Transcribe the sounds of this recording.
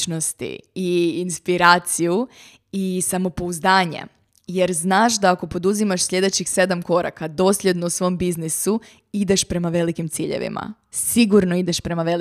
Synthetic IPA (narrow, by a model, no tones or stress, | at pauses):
nost̪ḭiinspiɾaːt̪siju | isamo̞po̞uzd̪aːɲe̞̰ | je̞ɾznaːʃd̪aːko̞po̞d̪uzimaʃsʎʲe̞d̪e̞t͡ɕixse̞d̪amko̞ɾa̰kad̪o̞ːsʎʲe̞d̪nousʋo̞mbiznisu | id̪e̞ʃpɾe̞maʋe̞likimt̪siːʎḛʋḭma̰ | siɡuɾnoid̪e̞ʃpɾe̞maʋel